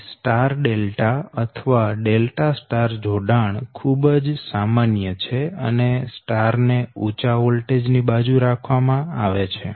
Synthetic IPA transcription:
sʈaɾɖelʈaət̪ʰəʋaɖelʈasʈaɾd͡ʒʱoɖaɳkʰubd͡ʒsamanjət͡ʃʰeə̰nesʈaɾneut͡ʃaʋolʈed͡ʒnibad͡ʒuɾakʰʋamãaʋet͡ʃʰe

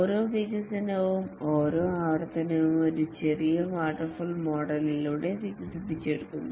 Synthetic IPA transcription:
oɾoːʋiɡɐsɐnɐʋumo̞ːɾoːaːʋɐrt̪ʰɐnɐʋumo̞ɾut͡ɕerijɐʋaːʈːɐrfulmo̞ːɽɐliluɽe̞ʋiɡɐsipːit͡ɕːeɽukːunːu

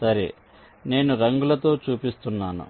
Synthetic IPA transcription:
sɐɾḛ | ne̞ːnuɾɐŋɡulɐt̪o̞ːt͡ʃuːpist̪unːaːnṵ

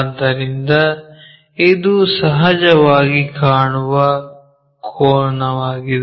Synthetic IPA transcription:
d̪ɐɾind̪ɐ | ed̪usɐɦɐd͡ʒɐʋaːɡikaːɳuʋɐ | kʰoːɾɐɳɐʋaːɡid̪

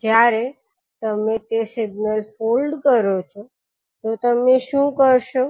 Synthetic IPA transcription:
d͡ʒjaɾe | t̪əmet̪esɪɡnəlfolɖkəɾot͡ʃʰo | t̪ot̪əmeʃũkəɾʃo

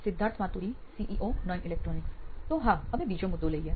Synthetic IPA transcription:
sɪd̪ʱːaːɾt̪ʰmãːt̪uɾisiːʔiʔoːnɔjnɪlɛːk̚ʈɾɔːnɪkt̪oːɦãɐmẽbiːd͡ʒõmʊd̪ːoləiɛː

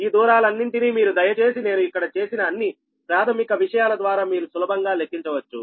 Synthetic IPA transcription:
iːd̪uːɾaːlɐnːiɳʈiniːmiːɾud̪ɐjɐt͡ʃe̞ːsine̞ːnuikːɐɽɐt͡ʃe̞ːsinɐːnːi | pɾaːt̪ʰɐmikɐʋiʂɐjaːlɐd̪ʋaːɾaːmiːɾusulɐbɐŋɡaːlekːiɲt͡ʃɐʋɐt͡ʃːṵ

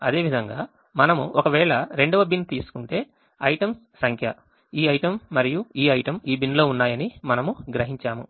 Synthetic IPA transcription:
ɐd̪e̞ːʋid̪ʱɐŋɡaː | mɐnɐmuʔɔkɐʋɛːɭɐɾe̞ɳɖɐʋɐbint̪iːsu̥kuɳʈe̞ː | ɐjʈɐmsːɐŋkʰjɐ | iːɐjʈɐmːɐɾijuiːɐjʈɐmiːbinlo̞ːunːaːjɐnimɐnɐmuɡɾɐɦiɲt͡ʃaːmṵ

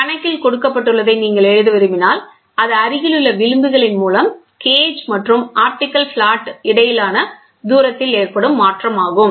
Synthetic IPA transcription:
kɐnɐɪkːɪlkɔɽɯkːɐpːɐʈːɯɭːɐðɐɪniːŋɡɐɭɛɻɯðɯʋɐɾɯmɪnaːl | ɐðɐɐɾɪɣɪlɯɭːɐʋɪɻɯmbɯɣɐɭɪnmuːlɐm | keːd͡ʒmɐʈrɯmaːɾʈɪkːɐlfɭaːʈːɪɽɐjɪlaːnɐ | d̪uːɾɐt̪ːɪleːrpɐɽɯmːaːʈrɐmaːɣɯm

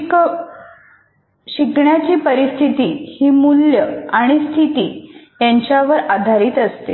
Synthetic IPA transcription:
k | ɕikɳjat͡ɕiːpəɾist̪ʰit̪iːhiːmuljəaɽ̃ist̪ʰit̪iː | jaɲt͡ɕjaʋəɾad̪ʱaɾiːt̪əst̪e

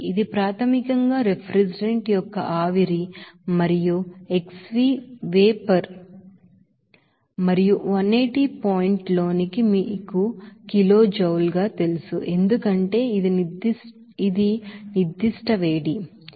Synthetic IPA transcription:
id̪ipɾaːt̪ʰɐmikɐŋɡaːɾepʰɾesiɖeɳʈjɔkːɐ̰ʔaːʋiɾimɐɾijue̞ksʋiːʋeːpɐɾ | mɐɾijuʋɐnːejʈipoːjiɳʈlo̞ːnikimiːkukilo̞ːd͡ʒɐwlɡaːt̪e̞lusuʔe̞nd̪ukɐɳʈe̞ːid̪ind̪i | id̪inid̪ːiʂʈɐʋe̞ːɽi

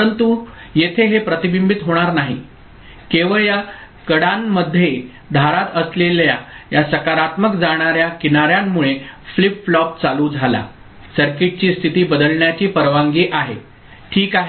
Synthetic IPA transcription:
əɾənt̪u | jet̪ʰeɦepɾət̪ibimbit̪ɦoɽ̃aɾnaɦi | keʋəɭja | kəɽamːəd̪ʱːje | d̪ʱaɾat̪əsleljajasəkaɾat̪məkd͡zaɽ̃aɾjakinaɾjamːuɭeflipflɔp̚t͡saluːd͡zʱala̰ | səɾkiʈ̚t͡ɕiːst̪ʰit̪iːbəd̪əlɳjat͡ɕiːpəɾʋaŋɡiːʔaɦe | ʈʰiːkaɦe

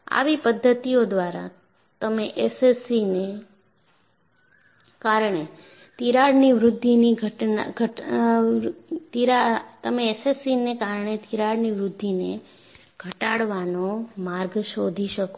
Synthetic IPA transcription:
a̰ʋipəd̪ʱːət̪ijod̪ʋaɾa̰ | t̪əmeʔesesine | kaɾɳe | t̪iɾaɽniʋɾʊd̪ʱːiniɡʱəʈna̰ɡʱəʈ | t̪iɾat̪əmeːsesinekaɾɳet̪iɾaɽniʋɾʊd̪ʱːine | ɡ̥ʱəʈaɽʋanomaɾɡʃod̪ʱiʃək

